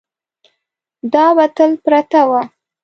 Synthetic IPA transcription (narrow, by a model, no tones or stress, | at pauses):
d̪ɑwat̪əlpɾat̪awa